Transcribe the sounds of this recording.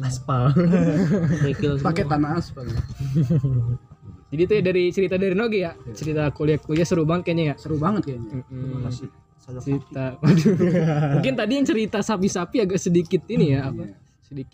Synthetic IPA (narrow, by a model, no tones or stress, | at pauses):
laspa | mikilspaɛt̪anaaspa | d͡ʒadit̪ujadaɾit͡ʃəɾit̪adaɾinoɡijaʔt͡ʃəɾit̪akoliakoliasəɾubaŋət̪̚kaɲajaʔsəɾubaŋət̪̚kaɲam̩mm̩a | t͡ʃəɾit̪amaduuŋkɪnt̪adijaŋt͡ʃəɾit̪asapisapiaɡaʔsədikɪt̪inijaːpa | sədikɪ